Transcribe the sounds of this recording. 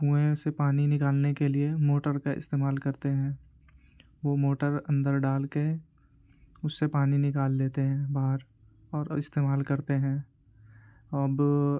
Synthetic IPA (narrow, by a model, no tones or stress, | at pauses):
ɡũːẽsepaːninɪkaːlnekeliemoːʈəɾkaɪ̰st̪eːmaːlkɐɾt̪eɦɛ̃ː | ʋomoːʈəɾɐ̃nd̪əɾɖaːlke | ʊsːepaːninɪkaːlːeːt̪eɦɛ̃ːbaːɦəɾ | ɔːɾɪst̪eːmaːlkɐɾt̪eɦɛ̃ː | b